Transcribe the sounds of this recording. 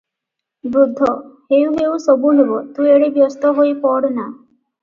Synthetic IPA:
bɾud̪ʱːɔheũɦeũsɔbuɦebɔt̪ueɽibjɔst̪ɔɦoipɔɽna

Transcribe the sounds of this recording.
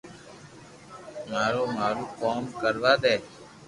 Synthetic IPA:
maːɾoːmaːɾuːkoːmkəɾʋaːd̪eː

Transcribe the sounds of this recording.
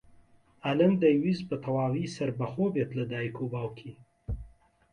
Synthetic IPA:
aləmd̪ɐjwizbət̪ʰɐwaːwiːsɐɾbɐxoːbeːt̪ləd̪aːjikʰobaːwkʰi

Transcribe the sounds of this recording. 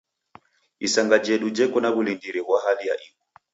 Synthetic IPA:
isaŋɡad͡ʒɛɗud͡ʒɛkɔnaβulindiɾɛβwaɦalija̰ʔikɔ

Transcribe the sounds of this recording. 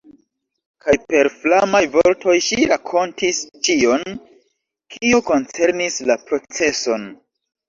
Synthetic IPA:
kajpe̞ɾflamajvo̞ɾtʰo̞jʃiɾakʰo̞ntist͡ʃio̞n | kʰioko̞nt͡se̞ɾnislapɾo̞t͡se̞so̞n

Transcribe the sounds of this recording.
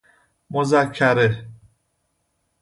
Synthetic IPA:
mozakʰːæɾe

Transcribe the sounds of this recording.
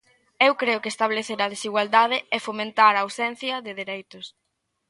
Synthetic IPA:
ewkɾeʊkest̪aβleθeɾɐð̞esiɣwald̪aðɪɛfomẽnt̪aɾaːwsɛn̟θjɐðɪðeɾejt̪ʊs

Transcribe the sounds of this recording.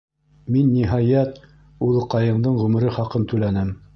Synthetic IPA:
minːiɦɑjɑt̪ | ulˠɤ̆qɑjɤ̆ɴd̪ɤɴʁɵ̆mɘ̆ɾɘχɑqɤnt̪ʉlænɘm

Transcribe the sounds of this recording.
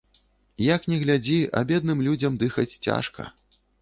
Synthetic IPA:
jaknʲɛɣlʲad͡zʲiɐ̰bʲɛd̪nɨmlʲud͡zʲɐmd̪ɨxɐt͡sʲt͡sʲa̰ʂkɐ̰

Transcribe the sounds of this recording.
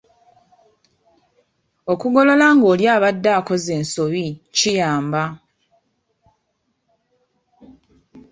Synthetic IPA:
o̞kuɡo̞lo̞laŋɡo̞ːljaːβadːaːko̞ze̞ːnso̞βicijaːmba

